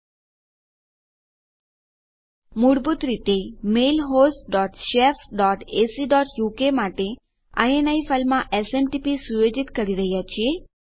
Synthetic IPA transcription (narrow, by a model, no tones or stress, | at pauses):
muɽbut̪ɾit̪emelɦosʈɖɔʈʃefɖɔʈesiɖɔʈjukemaʈe | a̰jenaifəlmãʔesemʈipisujod͡ʒit̪kəɾiɾəɦjat͡ʃʰie